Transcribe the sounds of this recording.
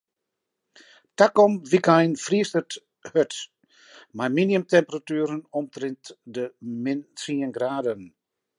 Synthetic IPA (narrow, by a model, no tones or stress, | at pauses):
takɔmʋikajnfriəstərt | høt | majminiəmtɛmpəratyːɾənɔmtrɪntdəmɪntriənɡraːdən